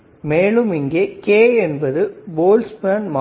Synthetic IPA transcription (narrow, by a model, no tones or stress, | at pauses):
meːɭɯmɪŋɡeːkeːɛnbɐðɯboːlsbaːnma